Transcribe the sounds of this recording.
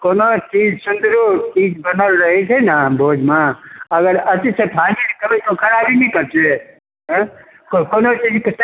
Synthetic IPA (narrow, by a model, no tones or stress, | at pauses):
koːnot͡ʃid͡ʒsund̪ɾot͡ʃiːd͡ʒbənəlɾəɦɛt͡ʃʰɛnabʱod͡ʒmaəɡəɾət͡ʃisʰepʰaninikəbɛt̪okʰəɾabinikəɾt͡ʃʰɛ | ɦ | kkonot͡ʃid͡ʒks